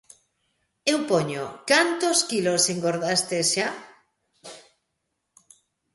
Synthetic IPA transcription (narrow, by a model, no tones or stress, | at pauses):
ewpoɲokant̪oskiloseŋɡoɾðast̪esʃa